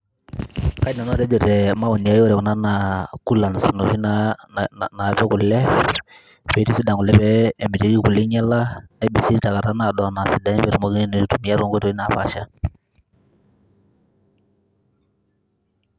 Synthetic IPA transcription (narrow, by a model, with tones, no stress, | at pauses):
ka˦i˦na˨nɔ˦˨ɾɛ˦d͡ʒɔ˨tɛ˨ma˦wu˨ni˨ja˦jɔ˦ɾɛ˨ku˨na˦na˨ku˦lːa˨n˨si˨no˨ʃi˦na | na˨pɛ˦ku˨lːɛ˦ | fɛ˨˦ti˦si˦da˨ŋɡu˨lɛ˦pɛː˦˨mbi˨ti˨˦ɡi˦ku˨li˦ɲɛ˦la˦nɛ˦bi˨si˦ɾta˨ka˨ta˦na˨dɔ˨na˨si˨da˦i˦bɛ˨ɾu˨mo˨˦ɡi˦n˦no˨i˦tu˨mi˦ja˦ɾo˦ŋɡo˦to˨i˦na˨pa̰˨ʃa˦